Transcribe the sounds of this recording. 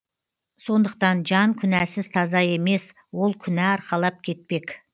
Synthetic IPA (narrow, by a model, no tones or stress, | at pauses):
so̞nd̪əq̚t̪ɑnʒɑŋkʲʰʏnæsɪz̥t̪ʰɑzɑe̞me̞s | wo̞lˠkʲʰʏnæɑɾqɑlˠɑp̚kʲʰe̞t̪̚pe̞kʲ